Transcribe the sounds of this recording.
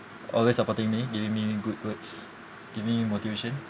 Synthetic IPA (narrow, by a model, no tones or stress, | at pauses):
ʔɔ̰lwesəpɔtɪ̃ŋmiɡivĩŋmiɡud̚wəts | ɡ̥ivĩŋimot̪iveʃɔ̃n